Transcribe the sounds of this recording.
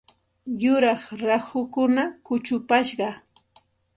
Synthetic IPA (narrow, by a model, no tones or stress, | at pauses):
jʊɾɑχɾaxʊkʊnakʊt͡ʃʊpaʃɢɑ